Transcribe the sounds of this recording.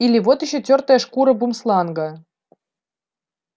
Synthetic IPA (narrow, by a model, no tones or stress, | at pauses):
ilʲiʋot̪iɕŏtʲørt̪eʃkuɾɤ̆bumslˠɑnɡɤ̆